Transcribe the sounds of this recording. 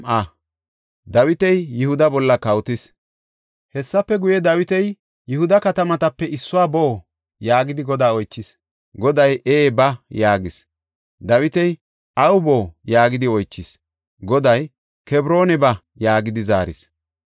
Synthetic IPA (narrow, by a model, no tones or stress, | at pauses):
ʔɐ | d̪ɐwɪt̪ɛjːɪhʊd̪ɐbɔlːɐkɐwt̪ɪs | hɛsːɐpːɛɡʊjɛd̪ɐwɪt̪ɛj | jɪhʊd̪ɐkɐt̪ɐmɐt̪ɐpːɛɪsːʊwaːboː | jaːɡɪd̪ɪɡɔd̪aːɔjt͡ʃːɪs | ɡɔd̪ɐjʔeːbɐjaːɡɪs | d̪ɐwɪt̪ɛj | ʔɐwʊbo̞ːjaːɡɪd̪ɪɔjt͡ʃːɪs | ɡɔd̪ɐj | kɛbɾo̞ːnɛbɐ | jaːɡɪd̪ɪza̰ːɾɪ̰s